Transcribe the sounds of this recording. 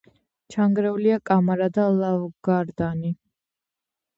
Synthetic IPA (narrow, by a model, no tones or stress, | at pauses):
t͡ʃʰaŋɡɾɛuliakʼamaɾad̪alˠavɡaɾd̪ani